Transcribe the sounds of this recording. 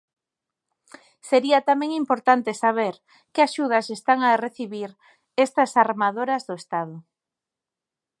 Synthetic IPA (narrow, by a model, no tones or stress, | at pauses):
seɾiɐt̪amẽŋimpoɾt̪ant̪esaβeɾ | kɪaʃuð̞ɐsest̪aŋareθiβiɾ | ɛst̪ɐsaɾmaðoɾɐzðʊest̪aðʊ